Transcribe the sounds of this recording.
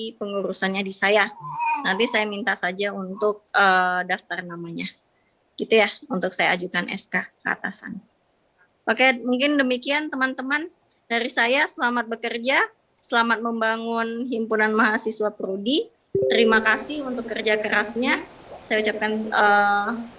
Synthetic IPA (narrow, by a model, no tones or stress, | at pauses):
ipəŋuɾusanɲadisajanant̪̬isajamint̪asad͡ʒaunt̪ʊk̚ədaft̪arnamaɲa | kit̪ujaunt̪ʊk̚sajaːd͡ʒukanʔɛ̰skakəa̰t̪a̰sa̰n | pakajmuŋkɪndəmikiant̪əmant̪əman | daɾisajasəlamat̪̚bəkərd͡ʒa | səlamat̪̚məmbaŋʊnɦimpunanmaɦasisuwapəɾodi | t̪əɾimakasɪhunt̪ʊkːərd͡ʒakəɾasɲa | sajaut͡ʃap̚kanə